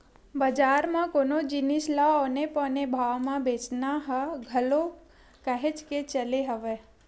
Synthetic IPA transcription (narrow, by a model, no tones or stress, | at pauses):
bəd͡ʒaɾmãkonod͡ʒinislaɔnepənebʱaʋmãbet͡ʃnaɦəɡʱəlo | kaɦet͡ʃket͡ʃəleɦəʋe